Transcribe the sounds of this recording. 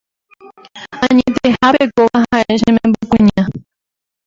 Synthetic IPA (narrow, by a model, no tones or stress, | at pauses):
ãɲẽt̪ehapekoʋaɦaeʃ̬ẽmẽmbokʷũɲã